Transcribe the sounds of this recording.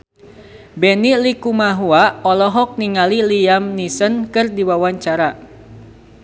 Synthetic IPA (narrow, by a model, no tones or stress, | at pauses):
bɛnilikumaɦuaɔlɔɦɔk̚niŋaliliamnisənkɨrdiwawaɲt͡ʃaɾa